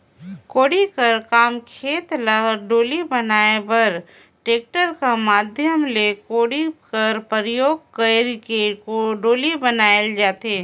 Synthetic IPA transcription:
koːɽikɐɾkaːmkʰeːt̪ləɖoːlibɐnaːebɐɾ | ʈeːk̚ʈəɾkamaːd̪ʱjəmlekoːɽikɐɾpəɾjoːɡ̚kəɾkekoɖoːlibɐnaːeld͡ʒaːt̪eː

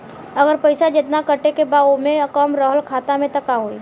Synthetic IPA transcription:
ɐɡəɾpəɪsad͡ʒɪt̪nakəʈekebaːomẽɐkɔːmɾɔɦəlkʰaːt̪amẽt̪ɐkaɦoːiː

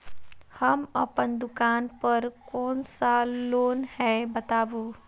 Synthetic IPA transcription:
həmə̰pənd̪ʊkaːnpəɾkɔːnsaloːnhɛbət̪aːboː

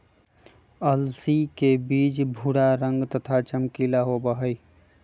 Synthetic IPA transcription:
əlsikebiːt͡ʃbʱuɽaɾə̃ŋɡt̪ət̪ʰat͡ʃəmkilaɦobəɦəi

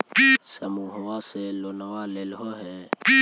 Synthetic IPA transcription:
səmuɦʊwaːseloːnəwaːlelɦoɦɛ

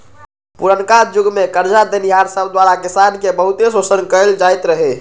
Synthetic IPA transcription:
puɾənkaɾd͡ʒuɡmekəɾd͡ʒad̪eniɦaɾsəbʱd̪waɾakisankebəɦut̪esosənkəld͡ʒajt̪ɾəɦe

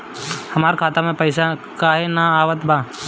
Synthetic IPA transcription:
həmaːɾkʰaːt̪amẽpəɪsakaːɦenaaːʋət̪bãː

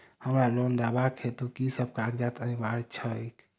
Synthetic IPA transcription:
həmɾalɔnd̪abakhet̪ukisəb̚kand͡ʒat̪ənibaɾt͡ʃʰək

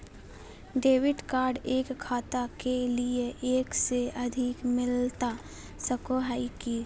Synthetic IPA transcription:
ɖeːʋɪʈkaːɾɖeːkʰːaːt̪akelieʔeːkseɐd̪ʱɪkmɪlt̪a | səkoɦaiki

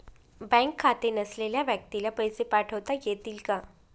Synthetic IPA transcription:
bɛ̃ŋkʰːat̪enəsleljaʋjək̚t̪ilapəjsepaʈʰəʋt̪ajet̪iːlka

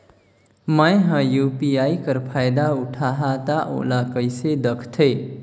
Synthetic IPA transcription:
majɦʌ̃jupiajkəɾpʰajd̪auʈʰaɦat̪aʔo̰lakəjsed̪ʌkʰt̪ʰəj

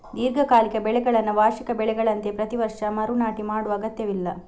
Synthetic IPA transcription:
d̪iːɾɡʱɐkaːlikɐbɛɭɛɡɐɭɐnːuʋaːʃikɐbɛɭɛɡɐɭɐnt̪e̞pɾɐt̪iʋɐɾʂɐmɐɾunaːʈimaːɽuʋɐːɡɐt̪jɐʋilːɐ

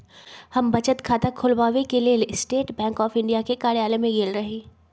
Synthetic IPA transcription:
hɐmbɐt͡ʃət̪kʰaːt̪akʰʊlʋaːʋekelielsʈeːʈbɛ̃ːŋkɔːfɪ̃ɳɖijakekaːɽjaːlemẽɡeːlɾɐɦiː

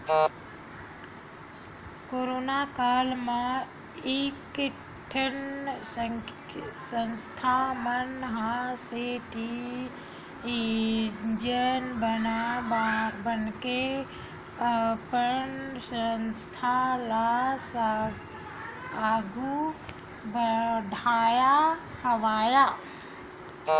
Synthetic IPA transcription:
koːɾoːnakaːlma | ik | ʈʰəns | sənst̪ʰamənɦaseʈi | i | d͡ʒənbənabbənke | pənsənst̪ʰalas | aːɡu | bɖʱaːjahəʋaːjaː

